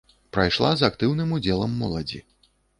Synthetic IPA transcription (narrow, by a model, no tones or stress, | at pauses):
pɾajʂlˠazakt̪ɨwnɨmud͡zʲɛlˠɐmːɔlˠɐd͡zʲḭ